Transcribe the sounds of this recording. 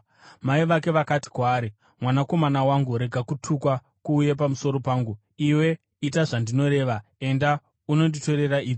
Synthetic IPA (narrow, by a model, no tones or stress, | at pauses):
maiʋake̞ʋakati̥kwaːɾi | mwanako̞manawaŋɡuɾe̞ɡʱakutʰukwa | kuːjepamuso̞ɾo̞paːŋɡu | iwe̞ | itaʐandino̞ɾe̞ːʋae̞nda | uno̞ndito̞ɾe̞ɾaiːd͡zo